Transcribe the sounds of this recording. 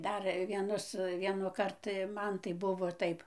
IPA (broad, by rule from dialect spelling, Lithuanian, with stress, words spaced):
ˈdɐr ʋʲiɛˈnʊs ˌʋʲiɛnʊˈkɐrt ˈmɐn tɐɪ ˈbʊʋoː ˈtɐɪp